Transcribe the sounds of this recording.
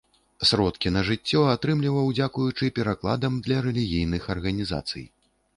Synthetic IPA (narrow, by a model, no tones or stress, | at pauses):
sɾɔt̪kʲinɐʐɨt͡sʲːɔat̪ɾɨmlʲivɐwd͡zʲakujut͡ʂɨpʲɛɾaklˠa̰d̪ɐmd̪lʲɐɾɛlʲiɣʲijnɨxɐrɣɐnʲiza̰t̪sɨ̰j